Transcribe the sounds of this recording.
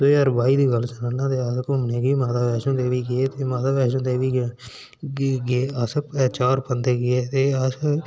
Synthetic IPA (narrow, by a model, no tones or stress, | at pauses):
d̪oəːɾbaːiːd̪iːɡəlsənãːnãːt̪eːəskɦʊmneːɡiːmaːt̪aːbɛːʃõːt̪eːʋiːɡeeːt̪eːmaːt̪aːʋɛːʃõːt̪eːʋiː | ɡːasəpɛt͡ʃaːɾpənd̪eːɡɪeːt̪eːəs